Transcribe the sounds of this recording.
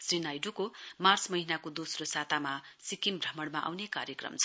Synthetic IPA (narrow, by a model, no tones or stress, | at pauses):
srinajɖukomart͡smʌɦinakod̪osrosat̪amasikimbrʌmʌɽmaʔa̰wnekaɾjʌkrʌ̰mt͡sʰ